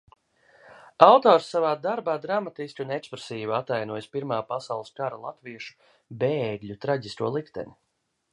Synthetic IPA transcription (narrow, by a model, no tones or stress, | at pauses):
awt̪ɔːɾsːavaːd̪aɾbaːd̪ɾamat̪isʲkʲiunɛkspɾesiːvat̪ːajnuɔjspiɾmaːpasawlˠɨskaɾalˠat̪viɛʃu̥ | beːɡʎʲut̪ɾaɟʲist̪uɔlˠikt̪ɛ̰ni